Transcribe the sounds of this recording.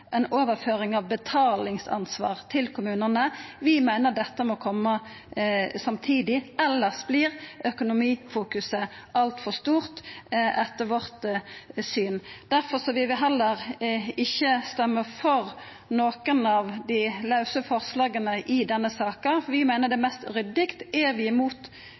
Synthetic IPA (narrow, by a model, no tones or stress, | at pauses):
ʔɛnoːʋəɾføːɾɪŋɑʋbət̪ʰɑːlɪŋsɑ̰nsʋɑ̰ːʁt̪ʰɪlkʰʊmʉːnənəʋɪmæɪnəʁd̪ɛt̪ːəmoːkʰɔmːə | sɑmt̪ʰiːd̪ɪʔɛlːəsbliːɾʔœkʊnʊmiːfuːkʉsəʔɑlt̪fɔʁst̪uːʁt̪ɛt̪ːəɾʋɔʁt̪syːnd̪̥æɾfɔɾsɔʋɪʋɪɦɛlːəɾɪçːəst̪ɛmːəfɔɾ | noːkənɑʋd̪ɪlɑʉsəfɔʁslɑːɡənəʔɪd̪ɛnːəsɑːkəfʋɪmæɪnəd̪ɛmɛst̪ɾʏd̪ɪkt̪ɛɾʋɪɪmuːt̪